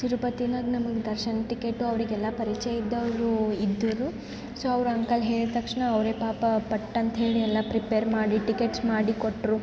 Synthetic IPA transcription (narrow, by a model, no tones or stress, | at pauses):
siɾupɐt̪inaːɡnɐmɐɡed̪ɐɾʃɐnɐʈikeʈːuɐʋɾiɡɛlːɐpɐɾit͡ʃɛjid̪ːɐʋɾuid̪ːɐɾu | soːɐʋɾuɐŋkɐlɦe̞ːɭiɾt̪ɐkʂɳɐːʋɾeːpaːpɐpɐʈːɐnt̪ɐɦe̞ːɭiɛlːɐpɾipeːɾmaːɽiʈikeʈsmaːɽikoʈːɾu